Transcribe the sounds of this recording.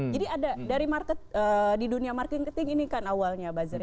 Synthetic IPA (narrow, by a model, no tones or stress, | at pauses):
d͡ʒadiadadaɾimarkət̪̚ədiduniamarkɪnkət̪ɪŋinikanawalɲabazəɾ